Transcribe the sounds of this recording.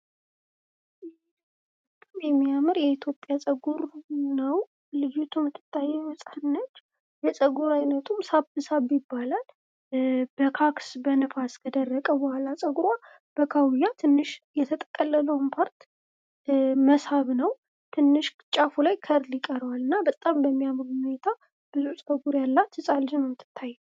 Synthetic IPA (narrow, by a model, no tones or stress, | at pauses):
t̪ʼɨmjɛmːijamɨɾjɛit̪ʰjo̞pʼjasʼəɡuɾnəw | lɨjut̪ʰumɨt̪ʼːɨt̪ʼːajɛməsʼanːət͡ʃː | jɛsʼəɡuɾajnət̪ʰumsabɨsabɪbːalal | b̥əkʰaksbənɨfaskʰəd̪ərːəkʼəbɔhalasʼəɡuɾwa | b̥əkʰawjat̪ʰɨnːɨʃjɛt̪ʰət̪ʼəkʼəlːələwnpʰaɾt̪ | məshaβnəw | t̪ʰɨnːɨʃ | t͡ʃʼafulajkʰəɾd̪lɪkʼəɾwalɨnːabət̪ʼambəmːijamɾuhunet̪ʰa | b̥ɨzusʼəɡuɾjalːat̪ʰːɨsʼald͡ʒɨnmɨt̪ʰːɨ̥t̪ʰːajːɛ